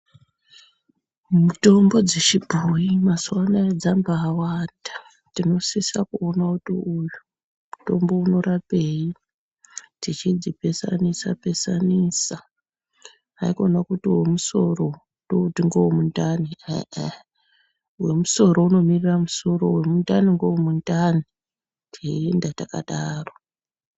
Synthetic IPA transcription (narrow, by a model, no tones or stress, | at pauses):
muto̞mbo̞d͡zet͡ʃibʱujimaswanaed͡zambaːwanda | tino̞sisakuonakutiuju | muto̞mbo̞uno̞rapei | tit͡ʃid͡zipe̞sa̰nisa̰pe̞saniːsa | aiko̞nakutiwe̞musoro̞ | doutiŋɡowomundani | we̞muso̞ɾo̞uno̞miriramuso̞ɾo̞we̞mundaniŋɡowomundani | tʰiendataka̰ɗaːro̞